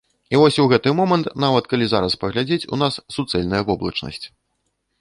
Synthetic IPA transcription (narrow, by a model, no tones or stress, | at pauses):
ivɔsʲuɣɛt̪ɨmɔmɐnt̪navɐt̪kalʲizaɾɐspɐɣlʲad͡zʲet͡sʲṵnasːut̪sɛlʲnɐjɐvɔblˠɐ̰t͡ʂnɐ̰sʲt͡sʲ